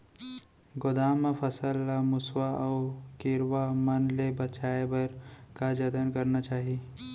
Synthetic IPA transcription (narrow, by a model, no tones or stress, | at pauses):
ɡod̪aːmepʰəsəlːamʊswaʔɔʊkɪɾwamənlebət͡ʃaːebəɾkad͡ʒəd̪ənkəɾnat͡ʃaːɦi